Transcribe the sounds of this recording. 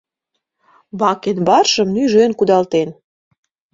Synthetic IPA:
βɑkenβɑrʃə̆mnyʒønkud̪ɑlt̪en

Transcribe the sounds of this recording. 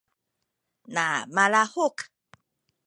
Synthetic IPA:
namalahok

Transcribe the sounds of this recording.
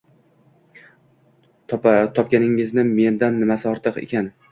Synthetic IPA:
t̪ʰɒp̚kʲanɪŋɪznɪme̞nd̪anːɪmasɪɒɾt̪ʰɨqe̞̰kʲan

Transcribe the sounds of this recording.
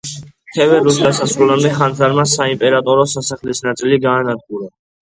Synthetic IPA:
t̪ʰɛvɛɾuld̪asasɾulamd̪ɛχand̪zaɾmasaimpʼɛɾat̪ʼɔɾɔsasaχlisnat̪sʼiliɡaːnad̪̚ɡuɾa

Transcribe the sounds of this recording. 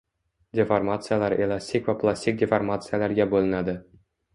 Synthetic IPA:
dʲeformat̪sɨjalˠɑɾelˠasʲt̪ʲːikvaplˠasʲt̪ʲik̚dʲeformat̪sɨjalæɾɡʲæbolˠɪnad̪ɪ

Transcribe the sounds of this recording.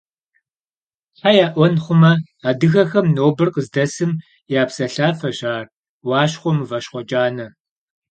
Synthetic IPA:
ħajaːʔʷɔnχʷʊmɐ | aːdɨxɐxɐmnoːbɨrqəzdɐsɨm | jaːpsɐɬaːfɐʑaːr | wɑːʃχʷɔmvɐʃχʷɔd͡ʒʼaːnɐ

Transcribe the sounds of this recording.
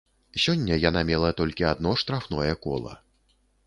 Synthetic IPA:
sʲɔnʲːɐjanamʲɛlˠɐt̪ɔlʲkʲiad̪̚nɔʂt̪ɾafnɔjɛkɔ̰lˠɐ̰

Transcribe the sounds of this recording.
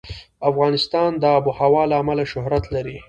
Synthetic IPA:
afɣɑnɪst̪ɑnd̪əabuhawɑlaːmalaʃʊhɾat̪laɾi

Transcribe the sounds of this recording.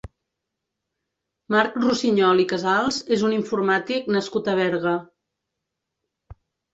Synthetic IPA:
maɾkrusiɲɔlikəzalˠzezuniɱfuɾmat̪iknəskut̪əβɛɾɣə

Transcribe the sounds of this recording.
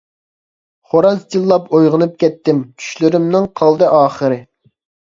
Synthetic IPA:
χoɾɑsd͡ʒilˠːɑpojʁənɨp̚kʲɛt̪ːɪmt͡ʃʲʰy̥ʃlyɾɪmnɪŋqʰɑlˠd̪ɨʔɑːχəɾɨ

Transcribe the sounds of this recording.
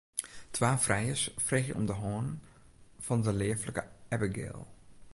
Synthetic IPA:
tʰʋaːfrɛjəsfreːxjəʔɔ̰mdəɦɔːn | fɔndəleːfləkəɛbəɡɪ̰ːlˠ

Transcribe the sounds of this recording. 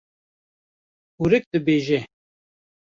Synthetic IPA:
uɾɨk̚d̪ɨbeːʒɛ

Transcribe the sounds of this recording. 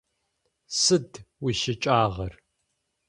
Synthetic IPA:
sɨdwiʃɪt͡ʃʼaːʁɐr

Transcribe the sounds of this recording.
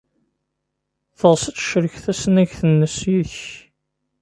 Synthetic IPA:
θəʁsət͡sːʃəɾəçθæsənæʝθənːəsjiðəç

